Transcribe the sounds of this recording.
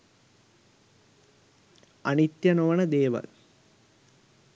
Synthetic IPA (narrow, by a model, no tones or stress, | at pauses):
ɐnit̪jɐnoʋɐnəd̪eːʋɐ̰l